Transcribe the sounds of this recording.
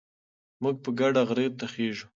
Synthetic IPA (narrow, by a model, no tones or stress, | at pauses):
muɡ̚pəɡaɖaɣɾet̪axeʒu